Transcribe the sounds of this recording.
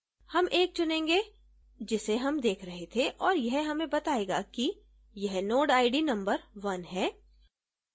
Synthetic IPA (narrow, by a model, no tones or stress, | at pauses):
hɐmʔeːk̚t͡ʃʊnẽːŋɡe | d͡ʒɪseɦɐmd̪eːkʰɾɐɦet̪ʰeʔɔːɾjɛɦɦɐmẽbɐt̪aːeːɡa̰ki | jɐɦnoːʈaːɪɖinɐ̃mbəɾʋɐnɦɛː